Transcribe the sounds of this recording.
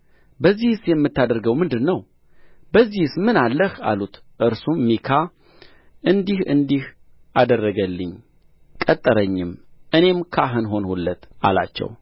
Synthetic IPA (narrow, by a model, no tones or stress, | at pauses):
bəzːihsjɛmːɨt̪ʰːad̪əɾɡəwmɨnd̪ɨnːəw | bəzːihsmɨnalːəha̰lut̪ʔɨɾsummikʰa | ʔɨnd̪ihɨ̰nd̪ih | ʔad̪ərːəɡəlːɨɲ | kʼət̪ʼːɨɾəɲːɪmʔɨne̞mkʰaɦɨnɦo̞nhulːət̪ʔa̰la̰t͡ʃːɛ̰w